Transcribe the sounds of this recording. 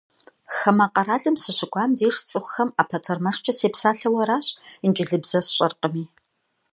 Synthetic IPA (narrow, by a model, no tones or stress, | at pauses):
xɐmɐqɐɾaːɮɨmsɨɕɪɡʷaːmdeːʂt͡sʼɨxʷxɐmaːpʰɐtʰɐrmɐʂt͡ʃʰɐseːpsaːɬɐwɐɾaːɕənd͡ʒʼɪɮɨbz̥ɐsɕʼɐrqəmiː